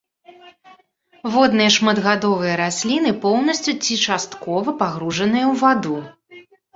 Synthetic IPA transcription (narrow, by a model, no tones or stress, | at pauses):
vɔd̪nɨjɐʂmɐd̪ɣad̪ɔvɨjɐɾasʲlʲinɨpɔwnɐsʲt͡sʲut͡sʲit͡ʂast̪kɔvɐpaɣɾuʐɐn̪ɨjɐwvad̪u